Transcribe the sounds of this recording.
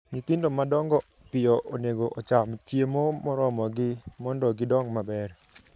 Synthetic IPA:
ɲit̪indomadɔŋɡɔ | pɪjɔʔoneɡoʔɔt͡ʃamt͡ʃjemomɔɾɔmɔɡɪmɔndɔɡɪdɔŋmabɛr

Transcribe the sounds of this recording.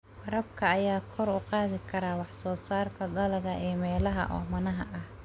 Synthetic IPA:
wɐɾɐbkʰɐːjaːkʰɔrʊqɑːðɪkʰɐɾaːwɑħsɔːsaːrk̪ʰɐd̪ɐlɐɣɐʔɛːmɛːlɐɦɐ̰ʔɔ̰ːmɐnɐɦɐʔɐh

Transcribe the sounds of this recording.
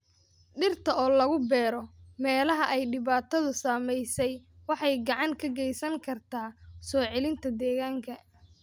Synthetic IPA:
ɖɪrt̪ʰɐɔːlɐɣʊbɛːɾɔmɛːlɐɦɐʔɛjɖɪβaːt̪ʰɐðʊsaːmɛjsɛjwɑħɑjɡɑʕɑŋkʰɐɡɛjsɐŋkʰɐrt̪ʰaːsɔːʕɛlɪnt̪ʰɐd̪ɛːɣaːŋkʰɐ

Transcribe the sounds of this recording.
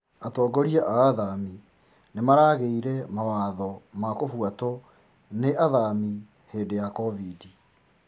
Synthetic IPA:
atɔːɡɔɾiaʔaːðami | nemaɾaːɣeiɾɛmawaːðɔmakofwatɔ | neʔaðami | heːndejakɔvidi

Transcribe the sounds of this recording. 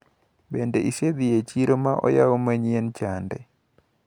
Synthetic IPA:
bendeʔised̪ɪjet͡ʃiɾomaʔɔ̰jawomaɲient͡ʃandɛ

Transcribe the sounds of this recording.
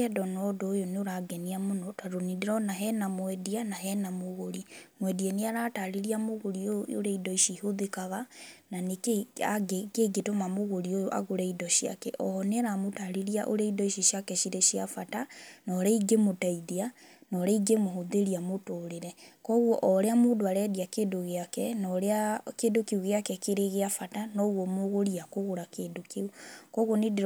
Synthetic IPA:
ɛdɔnɔdoːjoneoɾaɡɛniamonɔtaɾoniɾeɾɔnaɦɛnamwɛdianaɦɛnamoɣoɾimwɛdianeaɾataɾeɾiamoɣoɾiojoo̰ɾeidɔiʃiɦoðekaɣananekeaɡekeɡetomamoɣoɾiojoʔa̰ɣoɾɛidɔʃia̰kɛ̰ʔɔhɔneaɾamotaɾeɾiaʔoɾɛidɔiʃiʃiakɛʃiɾeʃiafatanɔɾɛiɡemotaiðia | nɔɾɛiɡemoɦoðeɾiamotoɾeɾɛkɔɣwɔʔɔɾeamoːdoaɾɛdiakeːdoɣeakɛnɔɾeakedokeuɣeakɛkeɾeɣeafatanɔɣwɔmoɣoɾiakoɣoɾakeːdokeukɔɣɔned

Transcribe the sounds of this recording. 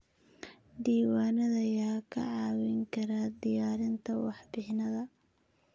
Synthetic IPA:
d̪iːwaːnɐðɐjaːkʰɐ̰ʕɑːwɪŋkʰɐɾaːd̪ɪjaːɾɪnt̪ʰɐwɑħbɪħnɐðɐ

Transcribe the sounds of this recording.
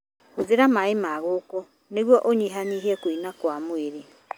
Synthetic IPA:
oðeɾamaemaɣoːkɔ | neɣwɔʔoɲiɦaniɦɛkoinakwamoeɾe

